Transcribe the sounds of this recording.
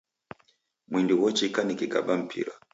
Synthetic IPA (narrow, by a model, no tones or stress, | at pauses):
mwindiwɔt͡ʃikanikiɡa̰ɓam̩pʰḭɾa